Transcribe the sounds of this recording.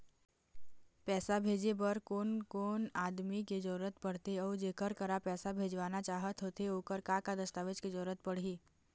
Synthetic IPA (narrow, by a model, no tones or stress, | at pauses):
pɛːsabʱeːd͡ʒebəɾkoːnkoːnaːd̪miked͡ʒəɾuɾət̪pəɽ̤t̪eɔːɾd͡ʒeːkəɾkəɾapɛːsabʱeːd͡ʒʋaːnat͡ʃaːɦət̪ɦoːt̪eoːkəɾkakad̪əst̪aːʋɪd͡ʒked͡ʒəɾuɾət̪̚pəɽ̤iː